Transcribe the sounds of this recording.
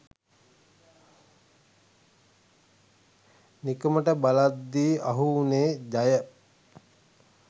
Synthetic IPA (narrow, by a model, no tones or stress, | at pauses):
nikəməʈəbalad̪ːiːʔaɦuːneːd̪ajə